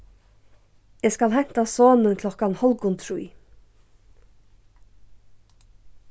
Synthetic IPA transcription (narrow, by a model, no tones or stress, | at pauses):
ɛːskalhɛn̥t̪asɔːnənkʰlɔhkanhɔlkʊnt̪ʰɾuj